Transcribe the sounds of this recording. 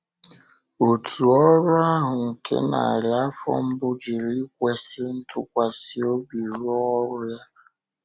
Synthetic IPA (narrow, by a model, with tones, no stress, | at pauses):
o˨tʰu˨ɔ˦ɾʊ˦a˦ɦʊ˨ŋ̩˨kʰḛ˦na̰˨ɾja˦fɔ̰˦m̩˦bʊ˦d͡ʒɪ˨ɾi˦kʷe˦sɪ˦n̩˦tʰʊ˦kʷa˨si˦o˦bi˨ɾu˦ɔ˦ɾʊ˦ja˦